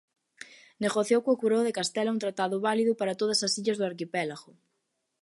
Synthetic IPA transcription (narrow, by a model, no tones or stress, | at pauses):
neɣoθjowkokuɾowðekast̪ɛlaunt̪ɾat̪aðʊβaliðʊpaɾɐt̪oðɐsɐsiʎɐzðʊaɾkipɛlaɣʊ